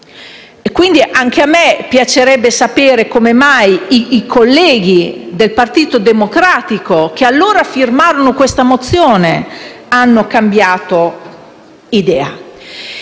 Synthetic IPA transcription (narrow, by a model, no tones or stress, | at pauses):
kwind̪iʔaŋk̟eamːepjat͡ʃeɾɛbːesapeːɾekomemajiːkʰolːɛːɡ̟id̪elpart̪iːt̪od̪emokɾaːt̪ikok̟ealːoːɾafirmaːɾonokwest̪amot̪sːjoːneanːokambjaːt̪o | id̪ɛːa